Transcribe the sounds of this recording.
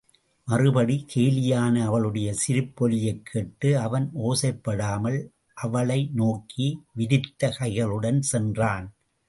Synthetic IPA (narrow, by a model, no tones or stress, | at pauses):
mɐrɯbɐɽikʰeːlɪjaːnɐɐʋɐɭɯɽɐjɐsɪɾɯpːɔlɪjɐɪkʰːeːʈːɯɐʋɐnoːsɐɪpːɐɽaːmɐɭ | ʔɐʋɐɭɐɪnoːkʰiʋɪðɪt̪ːɐkɐɪɣɐɭɯɽɐnsɛndraːn